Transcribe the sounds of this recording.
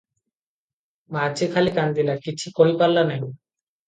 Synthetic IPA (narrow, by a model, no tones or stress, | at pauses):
mat͡ɕʰikʰalikand̪ilakit͡ɕʰikoɦipalːanã